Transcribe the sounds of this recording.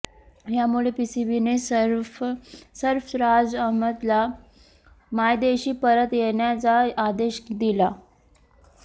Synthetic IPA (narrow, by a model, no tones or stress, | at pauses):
jamuɭepisibinesɾfsəɾfɾad͡zəɦmət̪la | majd̪eɕiːpəɾət̪jeɳjat͡saːd̪eɕd̪ila